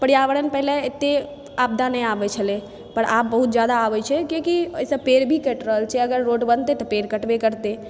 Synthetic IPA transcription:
pəɽijaʋəɽənpɛɦleːt̪ːe | ab̚d̪anəjabɛt͡ʃʰəle | pəɾap̚bəɦut̪̚d͡ʒjad̪aːbɛt͡ʃʰɛkekiojsəbpeɾbʱikəʈɾəɦəlt͡ʃʰɛəɡəɾːoʈbənt̪et̪ɔpeɾkəʈbekəɾt̪e

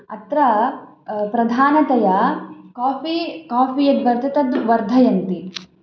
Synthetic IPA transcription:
ɐ̰t̪ɾɐ | pɾɐd̪ʱaːnɐt̪ɐjɐkaːfikaːpijɐd̪ʋɐɾt̪ɐt̪ɐd̪ʋɐɾd̪ʱɐjɐnt̪i

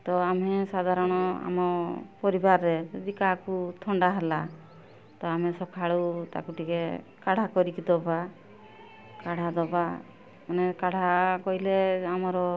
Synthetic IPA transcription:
t̪ɔamɛsad̪ʱaɾɔɽ̃ɔa̰mɔpɔɾibaɾːɛd͡ʒɔd̪ikakut̪ʰɔɳɖaɦala | t̪ɔamɛsɔkʰaɽut̪a̰kuʈike | kaɽ̤akɔɾikid̪ɔba | kaɽ̤ad̪ɔba | manɛkaɽ̤akɔɦileamɔɾɔ

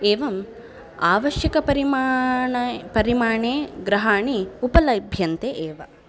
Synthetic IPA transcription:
eːʋɐm | aːʋɐʃjɐkɐpɐɾimː | pɐɾimaːɳeːɡɾɐɦaːɳiupɐlɐbʱjɐnt̪eʔeːʋɐ

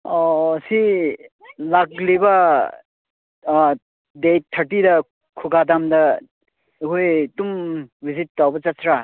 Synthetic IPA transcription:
ɔsi | laɡlibɐ | dej̚t̪ʰːɐɾʈidɐ | kʰuɡad̪amdɐ | ɦujtumbizit̚ːawbɐt͡ʃɐsɾa

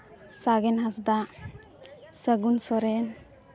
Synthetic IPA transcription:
saɡenɦasd̪a | səɡunsɔɾɛn

